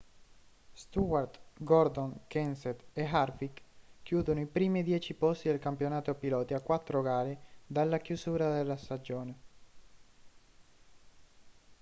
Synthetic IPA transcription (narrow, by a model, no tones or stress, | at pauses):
st̪uart̪ɡɔrd̪oŋkɛnset̪eɦarfikkːjuːd̪onoipɾiːmid̪jɛːt͡ʃipɔst̪id̪elkampjonaːt̪opilɔːt̪iakːwat̪ːɾoɡaːled̪alːakjuzuːɾad̪elːast̪ad͡ʒoːne